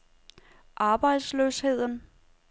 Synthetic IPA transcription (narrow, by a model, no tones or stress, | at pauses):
ʔɑ̈ːb̥ɑ̈ɪd̥sløːshe̝ð̞̰ˠn